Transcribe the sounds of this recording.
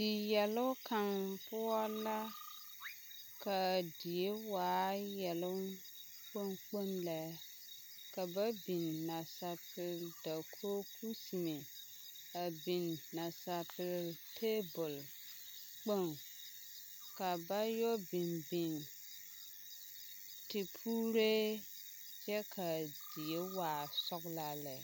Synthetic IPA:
dɪ˨jɛ˨lʊ˦kʰa˨ŋpʊ˦ɔ˦la˦ | ka˨di˨e˦waː˨˦jɛ˨lʊ˦ | k͡po˦nk͡po˦nla˦ | ka˨ba˦bi˨nːa˨sa˨pɪ˨lda˨kʰoː˦pʰu˦si˨me˨ | a˨bi˨nːa˨sa˨pɪ˨ltʰe˦bʊ˨l | k͡po˦˨n | ka˨ba˦jɔ˦bɪ˨nbi˨n | tɪ˨pʰuː˦ɾe˦ | d͡ʒɛ˦kʰa˨d̥i˨je˦waː˨sɔ˦ɡla˦lɛ˨

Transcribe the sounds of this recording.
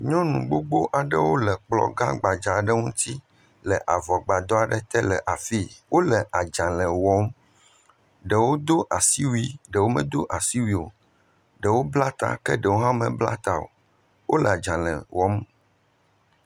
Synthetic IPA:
ɲɔ̃˦nũ˨ɡ͡bo˦ɡ͡bo˦ʔa˨ɖə˦wo˦lɛ˨k͡plɔ̰˨ɡa̰˦ɡ͡ba˨d͡ʒa˨ɖə˦ŋũ˦t̪ʰi˦ | lɛ˨ʔa˨vɔ˨ɡ͡ba˨d̪ɔ˦a˨ɖɛ˨t̪ɛ˦lɛ˨ʔa˨fi˦wo˦lɛ˨ʔa˨d͡ʒã˨lɛ̃˨wɔ˦m | ɖɛ˨wo˦d̪o˦ʔa˨si˦wi˦ɖɛ˨wo˦mɛ̰̃˦˨d̪o˦ʔa˨si˦wi˦˨o̰˨ | ɖɛ˨wo˦bla˦t̪a̰˦˨kɛ̰˦ɖə˨wo˦ɦã˦mɛ̰̃˨bla̰˦t̪a˨o̰˨ | wo˦lɛ˨a˨d͡ʒã˨lɛ̰̃˨wɔ˦m

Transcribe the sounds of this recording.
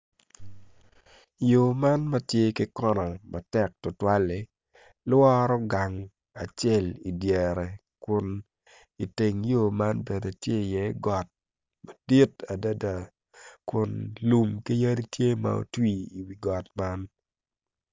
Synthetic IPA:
jo˨ma˦nma˦tje˦kɪ˦kɔ˦nɔ˨ma˨tɛ˨k̚tʊ˨twa˦le˨ | lwɔ˦ɾɔ˦ɡa˨ŋ | a˨t͡ʃɛ˦˨li˨djɛ˨ɾɛ˨ | kʊ˨n | i˨te˨ŋjo˦˨ma˦nbe˨do˨tje˦˨jɛ˦ɡɔ˨t̚ | ma˨di˦ta˨da˦da˨ | kʊ˨nlu˨mki˦ja˦di˦tje˦ma̰˨o̰˨twi˨i˨wi˨ɡɔ˨t̚ma˦n

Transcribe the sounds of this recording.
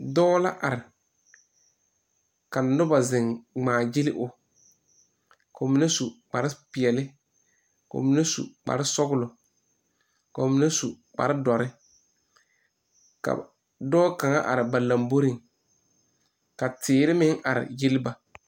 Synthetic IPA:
dɔː˦la˦ʔa˨ɾɪ˨ | ka˨nː˨˦ʊ˦ba˨zɪ˨ŋŋ͡maː˨jɪ˦lɪ˦ʔʊ˨ | ko˨mi˨˦ne˦su˨k͡pa˨ɾɪ˦pɪ˨ɛ˨lɪ˦ | ko̰˨mi˨˦ne˦sṵ˨k͡pa̰˨ɾɪ˦sɔ˦ɡʊ˦lʊ˨ | ka˨mɪ˨ne˦su˨ | k͡pa̰˨ɾɪ˦dɔ˨ɾɪ˦ | ka̰˨ | dɔː˦ka˨ŋa̰˦ʔa̰˨ɾɪ˨ba˨la˨mbo˦ɾɪ˦ŋ | ka˨tɪː˨ɾɪ˦mɪ˦ŋʔa˨ɾɪ̰˨jɪ˦lɪ˦ba˨

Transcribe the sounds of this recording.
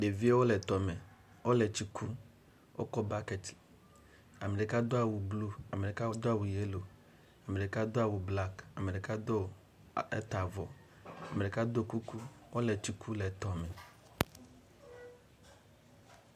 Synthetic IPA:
ɖe˨vi˦e˦wo˦lɛ˨t̪ɔ˨mɛ̃˨ | wo˦lɛ˨t͡ɕi˦kʰu˦ | wʔo̰˦kɔ˦ba˦kɛ˨t̪ | a˨me˨ɖe˨ka˦d̪o˦a˨wu˨blu˦a˨me˨ɖe˨ka˦wo˦d̪o˦a˦wu˨je˦lo˨ | a˨me˨ɖe˨ka˦d̪o˦a˨wu˨bla˦ka˨me˨ɖe˨ka˦d̪o˦ | ḛ˦t̪a˨vɔ˨ | a˨me˨ɖe˨ka˦d̪o˦ku˦ku˦wo˦lɛ˨t͡ɕi˨kʰu˦lɛ˨t̪ɔ˨mɛ̃˨

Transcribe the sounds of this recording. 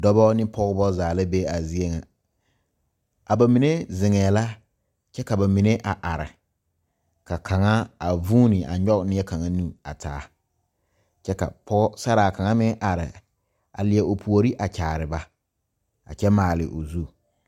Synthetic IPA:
dɔ˦bɔ˦nɪ˦pɔ˦ɣbɔ˦zaː˨la˦be˦a˨zi˦e˦ŋa˨ | a˨ba˨mi˨ne˦zɪ˨ŋɛː˨la˦ | t͡ʃɛ˦ka˨ba˨mi˨ne˦ʔa˨ʔa˨ɾɪ̰˨ | ka˨kʰa˨ŋa˦a˨vuː˦nɪ˨a̰˨ɲɔ˦knɪ˦ɛ˦ka˨ŋa˦nu˦a˨tʰa̰ː˨˦ | t͡ʃɛ˦ka̰˨pɔ˦ɡɔ˦sa˦ɾa˨ka˨ŋa˦mɪ˦ʔa˨ɾɪ̰˨ | a̰˨lɪ˨ɛ˨ʔo˨pʰu˨o˨ɾi˦ʔa˨t͡ʃaː˨ɾɪ˨ba˦ | a̰˨t͡ʃɛ˦maː˨lɪ̰˨ʔo˨zu˦˨

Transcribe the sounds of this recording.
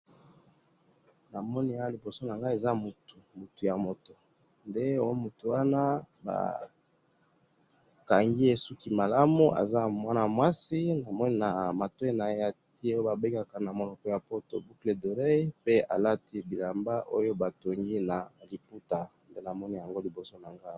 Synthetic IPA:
na˨mɔ˦ni˦a˦li˨bo˨so˦na˨ŋɡa˦e˨za˦mu˨tu˨mu˨tu˨ja˨mo˨to˨ | nde˦o˦mu˨tu˨wa˦na˦ | ba̰˨ | ka˨ŋɡi˦e˨su˦ki˨ma˨la˦mu˦a̰˨za˦mwa˦na˨mwa˦si˦na˨mɔ˦ni˦na˨ma˨te˦na˨˦a˨ti˦o˦ba˨be˦kɡa˨ka˨na˨mo˨lɔ˨kɔ˨˦ja˨po˦to̰˨bu˦kle˨do˨ʁe˦pe˦a̰˨la˦ti˦bi˨la˨mba˦ʔo˦jo˦ba˨to˨ŋɡi˦na˨li˨pu˦ta˨nde˦na˨mɔ˦ni˦ja˨ŋɡo˦li˨bo˨so˦na˨ŋɡa˦

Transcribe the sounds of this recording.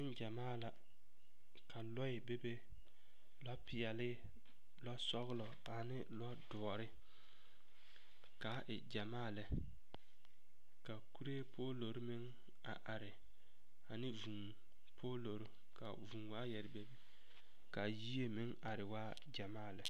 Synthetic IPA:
ɪ˦nd͡ʒa˨maː˦˨la˨ | ka˨lɔ˦ɪ˨be˦be˦ | lɔ˦pʰɪ˨ɛ˨lɪ˦ | lɔ˦sɔ˦ɣɪ˦lɔ˨ | a˨nɪ˦lɔ˦dʊ˨ɾɪ˦ | ka˨˦ʔɪ˨d͡ʒa˨maː˦˨lɛ˨ | ka˨ku˦ɾe˦pʰoː˦lo˨ɾmɪ˦ŋ | a̰˨ʔa˨ɾɪ˨ | a˨nɪ˦vu˨ŋ | pʰoː˦lo˨ɾʊ˦ | kʰa̰˨vu˨ŋwaː˦jɛ˨ɾɪ˨be˦bi˦ | ka˨jiː˦e˦mɪ˦ŋa˨ɾɪ˨waː˦ | d͡ʒa˨maː˦˨lɛ˨

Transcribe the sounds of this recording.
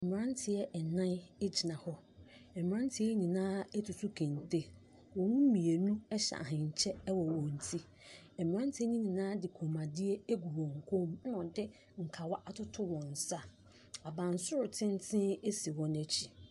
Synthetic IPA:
ɛ˨m˨ɾã˦n˦tʰɪ˨jɛ˦ʔɛ˨nã˦n˦ɛ˦d͡ʑi˨nã˨hɔ˦ | ɛ˨m˨ã˦n˦tʰɪ˨˦ɛ˦ɲĩ˨nãː˦ɛ˦tʰʊ˨su˦kʰẽ˨n˨te˦ | wɔ̃˨nũ˦mĩ˨e˨nũ˦ɛ˦ɕa̰˨ɦɪ̃˨ɲ̩˨t͡ɕʰɛ˦wɔ˨wɔ̃˨n̩˨tʰi˦ | ɛ˨m˨ã˦n˦tʰɪ˦ɲĩ˦ɲĩ˨nãː˦dɪ˨kʰo˨mã˨dɪ˦e˦e˦ɡu˨wɔ̃˨ŋ̩˨kʰõ˦mn˦ɔ̃˨dɪ˦ | ŋ̩˨kʰa˨wa˦ʔa˨tʰʊ˦tʰʊ˦wɔ̃˨n̩˨sa˦ | a˨bã˨n˨sʊ˦ɾʊ˨tʰɪ̃˦n˦tʰɪ̃˦e˦si˨wɔ̃˦næ˨t͡ɕʰi˨

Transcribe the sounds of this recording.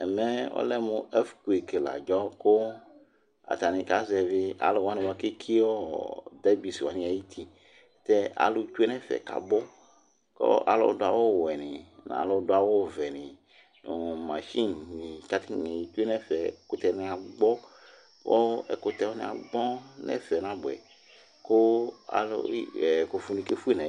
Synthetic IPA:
ɛ˨mɛ˦o̰˦lɛ˦mũ˨˦ɛ˦fku˨e˨ke˨la̰˨d͡ʒɔ˦ko˦ | a̰˨t̪a˨nĩ˨ka˦zɛ˨ve˦ʔa̰˨lo˨wa˦nẽ˨wa˨ke˦kʰi˦wo˦d̪ɛ˦bi˨si˨wa˨nĩ˨a˨ji˦t̪ʰi˦ | t̪ɛ˦a̰˨lu˦te˦nɛ̃˦fɛ̰˨ka̰˨bɔ˦ | ko̰˦ʔa̰˨lo̰˦do˦a˨wo˦˨wɛ˨nĩ˨nã̰˨lɔ˦dʊ˦a˨wo˦˨vɛ˨nĩ˨ | no˨mã˨ʃi˦nnĩ˨ka˦t̪i˦ɛ˨ji˨t̪u˦e˦nɛ˦fɛ˨kʊ˨t̪ɛ˨˦nĩ˨a˨ɡ͡bɔ˦ | wɔ˦ɛ˨kʊ˨t̪ɛ˨wɔ˦nḭ̃˦˨a̰˨ɡ͡bɔ˦nɛ̰˦fɛ˨nã˦bʊ˨ɛ̰˨ | ko˦a̰˨l̰ko˨fu˨nĩ˨ke˦fu˦i˦nɛ̃˨

